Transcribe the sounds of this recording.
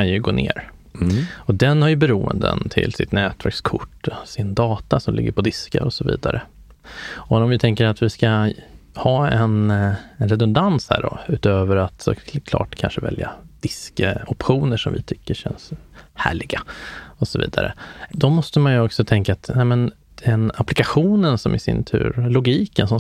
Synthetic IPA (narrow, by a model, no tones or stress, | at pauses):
kanjɵɡoːneːɾ | ɔd̪ɛnhaɾjɵbɛɾuːə̰nd̪ə̰nt̪ʰɪ̰lsɪt̪nɛːt̪væɾkskʰʊʈːɔsɪnd̪ɑːt̪asɔmlɪɡːəɾpʰɔd̪ɪskəɾɔsɔvḭːd̪aɾə | ɔɔmvɪt̪ʰɛŋkəɾat̪vɪskahɑːɛnɛnɾɛd̪ɵnd̪anshæ̰ːɖɔ̰ʉ̟ːt̪øːvəɾat̪sɔ̰kʰlɑ̰ːʈkʰanʂəvɛ̰ljad̪̥ɪskɔpɧuːnəʂɔmvɪ̰t̪ʰʏkːəʂɛnshæ̰ːɭɪɡaɔsɔvḭːd̪a̰ɾə̰d̪ɔmɔst̪əmanjɵɔksɔt̪ʰɛŋkaːt̪nɛmɛn | d̪̥ɛnaplɪkaɧuːnənsɔmʔɪsɪ̰nt̪ʰʉ̟̰ːɾlʊɡiːkənsɔm